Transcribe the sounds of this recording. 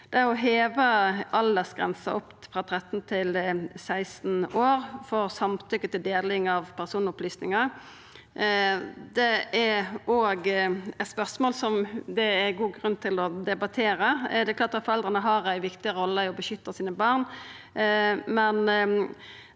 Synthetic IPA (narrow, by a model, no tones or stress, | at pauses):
d̪̥ɛæʁɔɦeːʋəɑld̪əsɡʁɛ̰nsɑɔpfʁɑt̪ʰɾɛt̪ːn̩t̪ʰɪlsæɪsn̩oːɾfɔʁsɑmt̪ʰʏkːət̪ɪld̪eːlɪŋɑʋpʰæʁsuːnɔplyːsnɪŋə | d̪ɛæoːɡɛt̪spœʁsmoːlsɔmd̪ɛæɡuːɡʁʉnːt̪ʰɪlɔd̪ɛbɑt̪ʰeːɾəd̪ɛklɑːʁt̪ɑt̪fɔɾʁɛld̪ʁənəɦɑʁæɪʋɪkt̪ɪəɾɔlːəɪɔbəʃʏt̪ːəsiːnəbɑːʁn | mɛn